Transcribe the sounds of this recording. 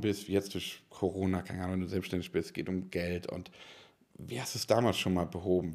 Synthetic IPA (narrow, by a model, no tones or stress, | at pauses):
bɪstviːjɛt͡std̥ʊɐçkʰoʁoːnakʰaɪnəʔaːnŋvɛnduːzɛlpsʃtɛndɪçb̥ɪstsɡ̥eːtʊmɡ̥ɛltʰʊ̰nt | viːhasd̥uːsd̥aːmaːlsʃoːnmaːlbəɦoːbm̩